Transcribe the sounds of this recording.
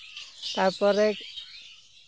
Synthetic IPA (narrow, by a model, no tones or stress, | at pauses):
t̪aɾpɔɾek